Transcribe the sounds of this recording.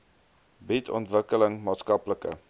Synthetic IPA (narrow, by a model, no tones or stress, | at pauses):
bitʰɔ̰ntvəkələŋmɑːtskɐpləkə̰